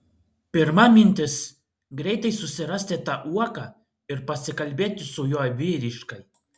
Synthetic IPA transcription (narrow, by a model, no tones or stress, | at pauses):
pʲɪɾmɐmʲɪnʲt̪ʲɪs | ɡɾʲɛɪt̪ɐɪsʊsʲɪɾɐsʲt̪ʲɪt̪ɑʔuɔkɐ | ɪɾpɐsʲɪkɐlʲbʲeːt̪ʲɪsʊjoːjʋʲiːɾʲɪʃkɐɪ